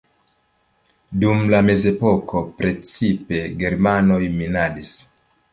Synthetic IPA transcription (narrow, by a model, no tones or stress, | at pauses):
dumlame̞ze̞po̞ko̞pɾe̞t͡sipe̞ɡe̞ɾmano̞jminadis